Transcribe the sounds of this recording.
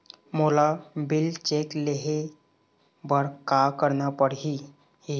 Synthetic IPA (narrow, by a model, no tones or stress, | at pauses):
molabilt͡ʃekleɦe | bəɾkakəɾnapəɽɦi | i